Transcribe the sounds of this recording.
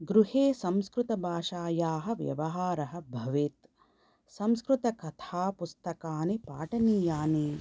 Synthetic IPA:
ɡɾuheːsɐmskɾut̪ɐbʱaːʃaːjaːɦɐ̆ʋjɐ̰ʋɐɦaːɾɐɦɐ̆bʱɐʋeːt̪ | sɐmskɾut̪ɐkɐt̪ʰaːpust̪ɐkaːnipa̰ːʈɐniːjaːneː

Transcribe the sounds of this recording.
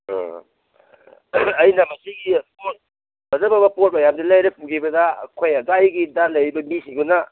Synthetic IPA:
ɐjnɐmɐsiɡipot̚ | bɐzɐbɐbɐpot̚mɐjamdilɐjɾɐpʰuɡʰibɐdɐɐ̰kʰojɐdajɡidalɐjbɐmisiɡunɐ

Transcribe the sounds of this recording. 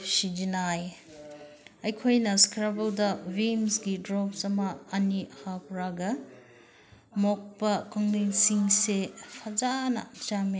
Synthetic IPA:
sid͡ʒinaj | ɐjkʰojnɐskʰɾabɐldɐwimsɡidɾɔpsɐmɐːnihapʰɾaɡɐ | mok̚pɐkʰɔŋlinsiŋsepʰɐd͡ʒanɐ̰t͡ʃami

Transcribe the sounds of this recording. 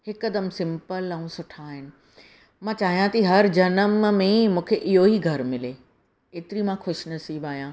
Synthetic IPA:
ɦhɪkɐd̪əmsɪ̃mpəlãũsʊʈʰaːɦɪnɪ̆ | mãːt͡ɕaːɦijãt̪ɐiɦɐɾd͡ʑɐnəmmẽmũːkʰeʔɪɦoɦiɡʱɐɾmɪleː | eːt̪ɪɾimãxʊʃnɐsiːbaːjãː

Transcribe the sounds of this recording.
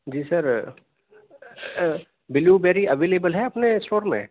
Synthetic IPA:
d͡ʒiːsɐɾ | bɪljubeːɾiʔɐʋeːleːbəlɦɛɐpnesʈoːɾmḛ̃

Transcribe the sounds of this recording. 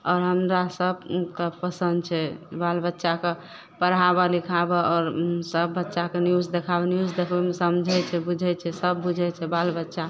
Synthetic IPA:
ɔːɾɦəmɾasəbkepəsənd̪̚t͡ʃʰɛbalbətːʃake | pəɾɦabəlikʰabeɔːɾsəbːətːʃakenjuzd̪ekʰabenjud͡ʒd̪ekʰbemesəmd͡ʒʱɛt͡ʃʰɛbud͡ʒʱɛt͡ʃʰɛsəbːud͡ʒʱɛt͡ʃʰɛbalbətːʃa

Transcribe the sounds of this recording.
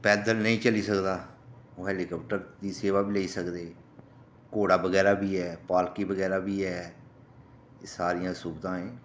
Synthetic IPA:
pɛːd̪əlnəĩːt͡ʃəliːsəkd̪aːoːɦɛːliːkɔːp̚ʈəɾd̪iːseːʋaːbiːleiːsəkd̪eː | koːɽaːbəɡɛːɾaːbiːɛːpaːlkiːbəɡɛːɾaːbʱiːɛː | saːɾijãːsʊbt̪ãːɛ̃ː

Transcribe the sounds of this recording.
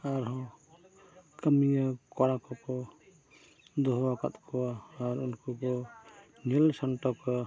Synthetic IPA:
aɾɦɔ̃ | kəmijakɔɾakɔkɔ | d̪ɔɦwaka̰t̪kʰɔwaːɾunkukɔ | nilsanʈɔkɔ

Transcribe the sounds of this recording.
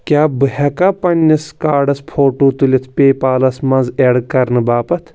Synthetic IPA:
kʲaːbɨhɐkaːpɐnʲːiskaːɖɐspʰoːʈoːt̪ulʲit̪ʰpʲeːpaːlɐsmɐnzeɽkɐɾnɨbaːpɐt̪ʰ

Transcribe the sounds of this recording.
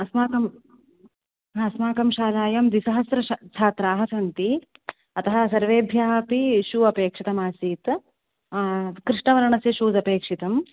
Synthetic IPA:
ɐsmaːkɐm | ɐsmaːkɐmʃaːlaːjɐmd̪isɐɦɐsɾɐt͡ʃʰaːt̪ɾaːɦɐsɐnt̪i | ɐt̪ɐɦɐsɐɾʋeːbʱjaːpiʃuɐpeːkʂit̪ɐmaːsiːt̪ | kɾiʂɳɐʋɐɾɐɳɐseʃuːd͡zɐpeːkʂit̪ɐm

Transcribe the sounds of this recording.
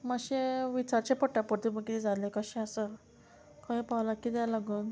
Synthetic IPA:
maɕeʋit͡ɕaɾt͡ɕepəʈːapəɾt̪iməkid͡zʱalekəɕẽəsə | kãĩpawlakid̪jalaɡəːn

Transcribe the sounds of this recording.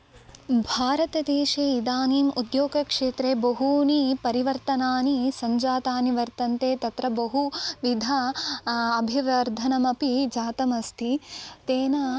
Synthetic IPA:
bʱaːɾɐt̪ɐd̪eːʃeːid̪aːniːmud̪joːɡɐkʂeːt̪ɾeːbɐɦuːnipɐɾiʋɐɾt̪ɐnaːnisɐɲd͡ʒaːt̪aːniʋɐɾt̪ɐnt̪eːt̪ɐt̪ɾɐbɐɦuʋid̪ʱa | ɐbʱiʋɐɾd̪ʱɐnɐmɐpid͡ʒaːt̪ɐmɐst̪ʰit̪eːnɐ

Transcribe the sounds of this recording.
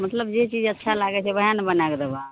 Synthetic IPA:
mət̪ləbd͡ʒet͡ʃid͡ʒətːʃʰalaɡɛt͡ʃʰɛbəjanbənakd̪eba

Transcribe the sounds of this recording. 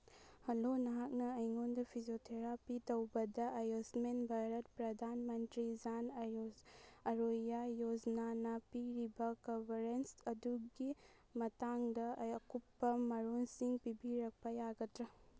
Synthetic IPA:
hɐlonɐɦak̚nɐːjŋondɐpʰiziotʰeɾapitɐwbɐdɐʔɐjosmenbʱajɾɐt̚pɾɐdʱanmɐntɾid͡ʒanɐjoɐɾojajod͡ʒɐnanɐpiɾibɐkɐbʱɐɾensɐduɡi | mɐtaŋdɐjɐkupːɐmɐɾonsiŋpibiɾɐk̚pɐjaɡɐtɾɐ

